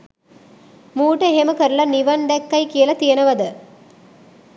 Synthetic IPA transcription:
muːʈəeɦeməkəɾulɐniʋɐnd̪ɛkːɐjkijəlɐt̪ijɐnɐʋɐd̪ə

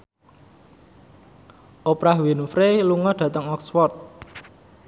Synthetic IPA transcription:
ʔopɾahwenufɾeluŋɔɖ̥ä̤t̪əŋɔksfɔrt̪̚

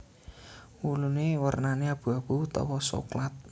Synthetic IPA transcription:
wulunewərnaneab̥ṳab̥ut̪ɔ̰wɔso̰klat̪̚

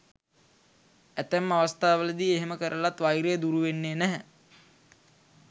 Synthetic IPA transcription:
æt̪æmːaʋast̪aːʋələd̪ieɦeməkəɾʔəlat̪ʋajɾejd̪uɾuʋenːeːnæɦɛ

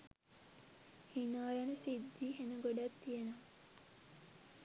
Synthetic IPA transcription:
hinaːjanəsid̪ːiɦenəɡoɖat̪ːijənomə

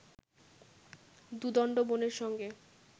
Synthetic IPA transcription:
d̪ud̪ɔɳɖoboneɾʃɔŋɡe

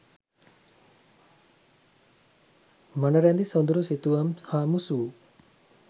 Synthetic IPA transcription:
manaɾand̪isɔnd̪uɾusit̪uamhamusu

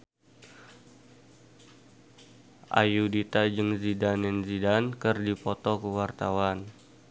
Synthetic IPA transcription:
ʔa̰judit̪ad͡ʒəŋzidanɛnzidankərdipɔt̪ɔkəwart̪awan

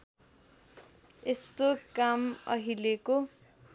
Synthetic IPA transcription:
est̪okamʌ̰ɦileko

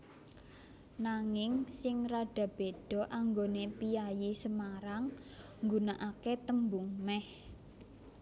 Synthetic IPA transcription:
naŋɪŋsɪŋraɖ̥ä̤b̥eɖ̥ɔ̤ʔaŋɡonepijajisəmaɾaŋː | ɡunaʔaket̪əmbuŋmɛh

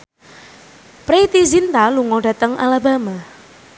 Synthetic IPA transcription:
pɾet̪izint̪aluŋɔd̥a̤t̪əŋʔa̰laba̤ma

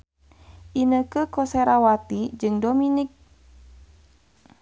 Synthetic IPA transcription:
ʔinəkəkoseɾawat̪id͡ʒɨŋdominik̚

